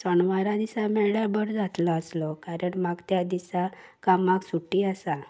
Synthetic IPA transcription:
sɔɳʋaɾãd̪isamɛɭɭjabəɾd͡zat̪lɔːslɔkaɾəɳmaɡt̪jad̪isakamaɡsuʈiasa

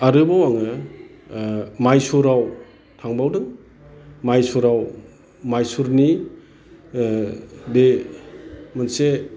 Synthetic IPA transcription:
aɾɯbawaŋɯ | majsuɾaw | tʰaŋbawdɯŋ | majsuɾaw | majsuɾni | de | mɯnse

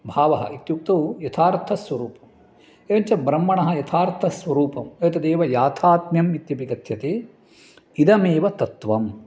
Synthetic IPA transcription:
bʱaːʋɐɦɐ̰ʔit̪juk̚t̪ɐwjɐt̪ʰaːɾt̪ʰɐsʋɐɾuːpɐm | eʋɐɲt͡ʃɐbɾɐmːɐɳɐɦɐ̆jɐt̪ʰaːɾt̪ʰɐsʋɐɾuːpɐmet̪ɐd̪eːʋɐjaːt̪ʰaːt̪mjɐmit̪jɐpikɐt̪ʰjɐt̪eː | id̪ɐmeːʋɐt̪ɐt̪ʋɐm

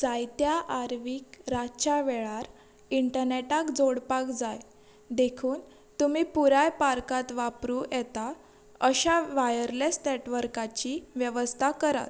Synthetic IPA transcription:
d͡zajt̪jaʔaɾʋiːkɾat͡ɕaʋɛɭaɾ | iɳʈəɾneʈakd͡zoɽpakd͡zaj | d̪ekʰuːn | t̪umiːpuɾajpaɾkat̪ʋapɾuːjɛt̪a | əɕaʋajəɾlesneʈʋəɾkat͡ɕiʋjəʋəst̪ʰakəɾa̰t̪

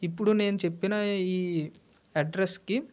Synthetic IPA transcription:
ipːuɽune̞ːnut͡ʃe̞pːinaiː | ɐɖɾeski

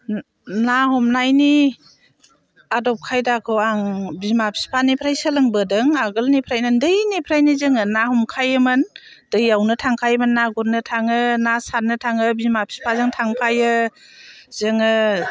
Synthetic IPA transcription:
nahɔmnajni | adɔp̚kʰajdakʰɯwaŋbimapʰi̥spʰanipʰɾajsəlɯŋbədɯŋaɡɯlnipʰɾajnɯndɯjnipʰɾajnizɯŋɯnahɔmkʰajɯmɯn | dɯjawnɯtʰaŋkʰajmɯnːaɡuɾnɯtʰaŋɯnasat̚nɯtʰaŋɯbimapʰi̥spʰazɯŋtʰaŋpʰajɯ | zɯŋɯ

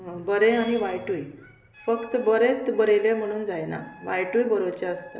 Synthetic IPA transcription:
bəɾẽaɽ̃iʋajʈuj | fəkt̪əbəɾet̪bəɾelẽm̤əɽ̃uːnd͡zajna̰ʋajʈujbəɾot͡ɕaəst̪a̰

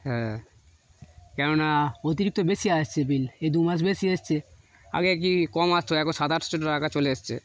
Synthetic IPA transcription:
ɦɛ̃ | kɛnonaot̪iɾik̚t̪obesijaəst͡ɕʰebiled̪umasbesiəst͡ɕʰe | a̰ɡek̬ikɔmast̪ʰoɛkonsad̪ʱaɾt̪ʰt͡ɕoʈːoɾakat͡ɕoleəst͡ɕʰḛ

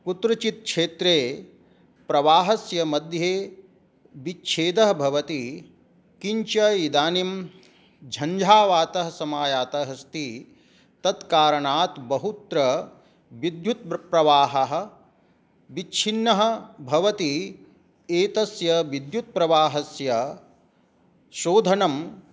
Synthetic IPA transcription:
put̪ɾɐt͡ʃit̪̚kʂeːt̪ɾeː | pɾɐʋaːɦɐsjɐmɐd̪ʱjeː | ʋitːʃʰeːd̪ɐɦɐbʱɐʋɐt̪i | kiɲt͡ʃɐjid̪aːnim | d͡ʒʱɐɲd͡ʒʱaːʋaːt̪ɐɦɐsɐmaːjaːt̪ɐɦɐst̪i | t̪ɐt̪kaːɾɐɳaːt̪bɐɦut̪ɾɐ | ʋid̪jut̪̚pɾɐʋaːɦɐɦɐ̆ | ʋitːt͡ʃʰinːɐɦɐ̆bʱɐʋɐt̪i | eːt̪ɐsjɐʋid̪jut̪̚pɾɐʋaːɦɐsjɐ | ʃoːd̪ʱɐnɐm

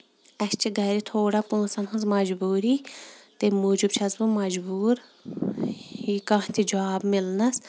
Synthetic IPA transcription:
ɐst͡ʃʰiɡɐɾit̪ʰoːɽapũːsɐnɦɐnzmɐd͡ʒbuːɾiːt̪emuːd͡ʒubt͡ʃʰɐzbumɐd͡ʒbuːɾ | ikãt̪ʰid͡ʒaːbmɪlnɐs

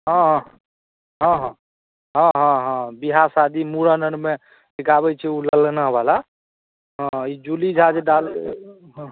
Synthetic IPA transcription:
ɦʌ̃ɦ | ɦɔ̃ɦ | ɦɔ̃ɦɔ̃ɦɔ̃biɦasad̪imuɾənənme | ʈikabɛt͡ʃʰɛuləlnəɦbala | ɦɔ̃id͡ʒulid͡ʒʱad͡ʒeɖal | ɦ

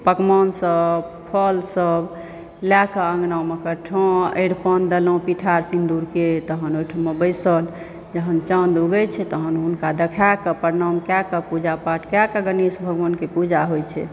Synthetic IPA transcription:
pəkmɔnsəb | pʰəlsəb | lakəə̃ŋɡnawmekəʈʰɔ̃əɽpənd̪əlõpiʈʰaɾsind̪uɾket̪əɦənojʈʰəmebəjsəl | d͡ʒəɦənt͡ʃənd̪uɡɛt͡ʃʰɛt̪əɦənɦunkad̪ekʰakəpəɾnamkakəpud͡ʒapaʈʰkakəɡənisbʱəɡʋənkepud͡ʒaɦojt͡ʃʰɛ̰

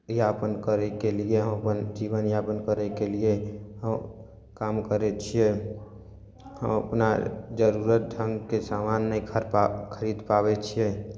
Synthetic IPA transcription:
japənkəɾɛkelieɦə̃məpənd͡ʒiʋənjapənkəɾɛkelieɦəm | kamkəɾɛt͡ʃʰije | ɦə̰məpna̰d͡ʒəɾuɾət̪̚d͡ʒ̪ʱə̃ŋɡkesamanːəĩkʰəɾkʰəɾid̪pabɛt͡ʃʰiɛ

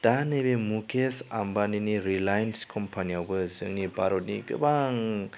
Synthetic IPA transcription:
d̥anebemukʰesa̰mbaniniɾilajnskʰɔmpʰaniawbɯzɯŋnibaɾɔt̚niɡɯ̰baŋ

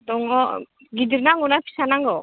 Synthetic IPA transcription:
d̪ɔŋɔ | ɡidiɾnaŋunapʰi̥sanaŋɡɔ

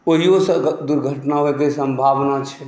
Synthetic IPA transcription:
oɦiosəd̪uɾɡʱəʈnaɦoek̪esə̃mbʱaʋnat͡ʃʰɛ

